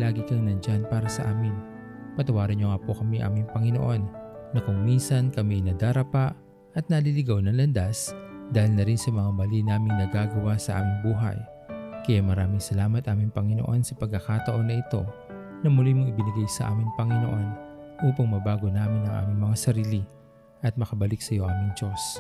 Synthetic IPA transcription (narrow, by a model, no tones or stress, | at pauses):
laːɡɪkɐŋnɐnd͡ʒanpaːɾɐsɐʔaːmɪn | pɐt̪ɐwaːɾɐnɲoŋapokɐmiʔa̰ːmɪŋpɐŋɪnoʔo̞nːɐkʊŋminsɐnkɐmiʔɪnɐd̪aɾɐpaʔ | ʔɐt̪̚nɐlilɪɡawnɐŋlɐnd̪asd̪aːhɪlnɐɾinsɐmɐŋamɐlinaːmɪŋnɐɡaːɡɐwasɐʔa̰ːmɪŋbuːɦɐ̰j | kɐjamɐɾaːmɪŋsɐlaːmɐt̪ʔaːmɪŋpɐŋɪno̞̰ʔo̞nsɐpɐɡ̚kːɐkat̪ɐʔo̞nɐʔɪt̪o̞̰ | nɐmʊlimoŋɪbɪnɪɡajsɐʔa̰ːmɪŋpɐŋɪno̞̰ʔo̞nʔuːpɐŋmɐbaːɡo̞naːmɪnɐŋʔa̰ːmɪŋmɐŋasɐɾiːlɪ | ʔɐt̪̚mɐkɐbɐliksɐjo̞ʔaːmɪŋd͡ʒo̞s